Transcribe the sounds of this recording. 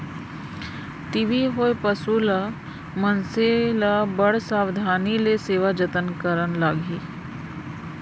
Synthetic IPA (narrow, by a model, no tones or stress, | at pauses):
t̪iʋiɦoːjpəsula | mənselabɐɽ̤saːwd̪ʱaːnileseːʋad͡ʒət̪ənkəɾənlaːɡʱiː